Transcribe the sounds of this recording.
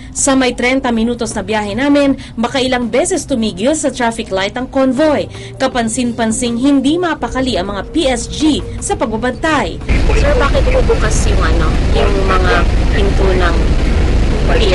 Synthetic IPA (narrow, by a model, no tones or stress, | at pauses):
sɐmɐjt̪ɾɛnt̪ɐmɪnuːt̪osnɐbjaːhɛnaːmɪn | bɐkaʔɪlɐŋbɛːsɛst̪ʊmiːɡɪlsɐt̪ɾafɪklajt̪ɐŋkonvo̞j | kɐpɐnsɪnpɐnsɪŋɦɪnd̪imɐpɐkɐliʔɐŋmɐŋapiʔɛsd͡ʒisɐpɐɡ̚bɐbɐnt̪aj | sɛbaːkɪt̪̚bubuːkɐsjʊŋɐno̰jʊŋmɐŋapɪnt̪uːnɐŋ